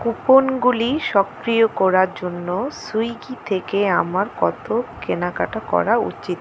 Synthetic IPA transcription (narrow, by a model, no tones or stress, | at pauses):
kuponɡuliʃɔkɾijokɔɾaɾd͡ʑonːosujɡit̪ʰekeamaɾkɔt̪ʰokenakaʈakɔ̰ɾaṵt͡ɕit̪